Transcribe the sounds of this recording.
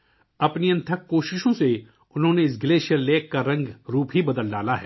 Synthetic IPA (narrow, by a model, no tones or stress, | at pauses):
ɐpniɐ̃nt̪ʰəkːoːʃɪʃõse | ʊnɦõːneɪs̬ɡɪleːʃijəlleːkːaɾɐ̃ŋɡɾuːpɦibɐd̪əlɖaːlaɦɛː